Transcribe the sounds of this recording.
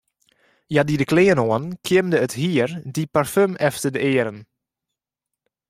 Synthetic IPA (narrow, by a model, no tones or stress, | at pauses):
jadidəkleːənoənkʰɪmdəəthiərdiparfømɛftədəeːəɾən